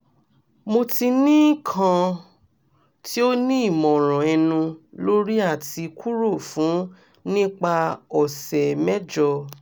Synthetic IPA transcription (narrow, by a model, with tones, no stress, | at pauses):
mo˧ti˧nĩ˦kʰã˧ | ti˦o˦nĩ˦i˦˨mɔ̃˨ɾ̃ã˨ɛ˧nũ˧lo˦ɾi˦a˦˨ti˧kʰu˦ɾo˦˨fũ˨˦ | nĩ˦k͡pa˧ɔ˨sɛ˨mɛ˦d͡ʒɔ˧